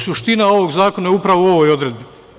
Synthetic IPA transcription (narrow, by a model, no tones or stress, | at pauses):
suʃt̪inao̞ʋoɡzaːko̞naupɾaʋoo̞ʋojo̞d̪ɾed̪̚bi